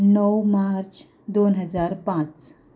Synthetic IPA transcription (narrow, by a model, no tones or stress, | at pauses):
nəwmaɾt͡ɕ | d̪onɦəd͡zaɾpãt͡s